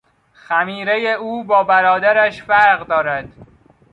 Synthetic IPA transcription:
xæmiːɾejeuːbɒːbæɾɒːd̪æɾæʃfæɾɣd̪ɒːɾæd̪̥

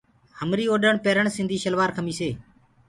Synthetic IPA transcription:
həmɾiːoːɗəɳpeːɾəɳsɪnd̪ʱiːʃəlʋaːɾkʰəmiːseː

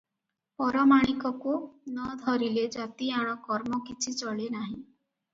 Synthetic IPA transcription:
pɔɾɔmaɽ̃ikɔkunɔd̪ʱɔɾiled͡ʒat̪iaɽ̃ɔkɔɾmɔkit͡ʃʰit͡ʃɔɭenaɦĩ

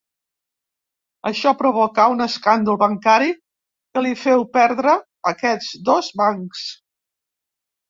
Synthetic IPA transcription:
əʃɔpɾuβokaunəskand̪əlˠβəŋkaɾi | kəlifɛwpɛɾðɾəː | kɛd͡zd̪ozβaŋks

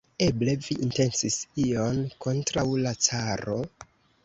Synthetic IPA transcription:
e̞ble̞viʔinte̞nsisio̞nko̞ntɾawlat͡saɾo̞

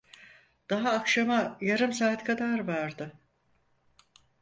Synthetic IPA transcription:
d̪̥aɦaːkʃamajaɾɯmsaːt̪kʰad̪aɾvaɾd̪ɯ

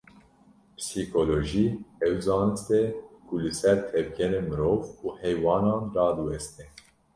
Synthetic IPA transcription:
psiːkoloʒiːɛwzɑːnɨst̪ɛkulɨsɛɾt̪ʰɛvɡɛɾemɨɾoːvuːhɛjwɑːnɑːnɾɑːd̪uwɛst̪e

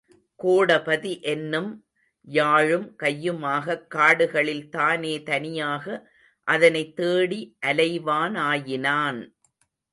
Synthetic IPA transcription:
koːɽɐpɐðiʔɛnːɯm | jaːɻɯmkɐjːɯmaːɣɐkːaːɽɯɣɐɭɪlt̪aːneːt̪ɐnɪjaːɣɐ | ʔɐðɐnɐɪt̪ːeːɽiʔɐlɐɪʋaːnaːjɪnaːn

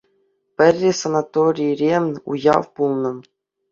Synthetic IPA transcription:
pʲɘ̆rʲːesonat̪oɾʲijɾʲemʲṵjɑ̰ʋpulˠnɤ̆

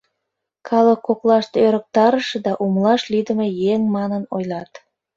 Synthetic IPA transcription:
kʰɑləkːoklɑʃt̪øɾək̚t̪ɑɾəʃed̪ɑʔumlɑʃlid̪əmejeŋmɑnənojlɑt̪

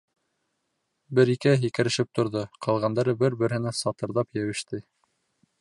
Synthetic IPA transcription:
bɘɾikæɦikɘ̆ɾɘ̆ʃɘp̚t̪ŏɾðoqɑlˠʁɑnd̪ɑɾɤbɘɾbɘ̆ɾhɘ̆næsɑt̪ɤ̆ɾðɑpjæwɘ̆ʃt̪ɘ

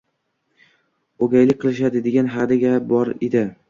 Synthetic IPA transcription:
oɡʲajlɪk̚ʲqʰɨlˠɪʃ̬ad̪ɪd̪eɡʲanɦad̪aɡʲabɒɾḛd̪ɪ

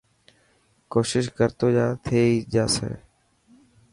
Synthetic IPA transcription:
koːʃɪʃkəɾt̪oːd͡ʒaːt̪ʰeːiːd͡ʒaːsḛː

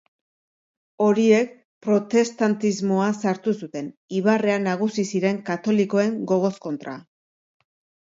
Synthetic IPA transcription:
o̞ɾie̞k̚ | pɾo̞t̪e̞st̪ant̪izmo̞asaɾt̪usut̪e̞niβare̞anaɣ̞usisiɾe̞ŋkat̪o̞liko̞e̞ŋɡo̞ɣ̞o̞sko̞nt̪ɾa̰

